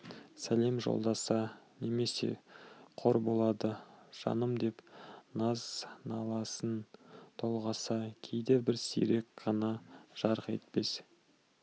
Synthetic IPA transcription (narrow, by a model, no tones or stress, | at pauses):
sæle̞mʒo̞̰lˠd̪ɑsɑne̞me̞se̞̰qʰo̞ɾbo̞lˠɑd̪əʒ̥ɑ̰nəmd̪e̞pnɑznɑlˠɑsənt̪ʰo̞lˠʁɑsɑkʲʰe̞jd̪ebɪɾsḭɾe̞kqɑnɑʒ̥ɑɾəqḛt̪̚pe̞s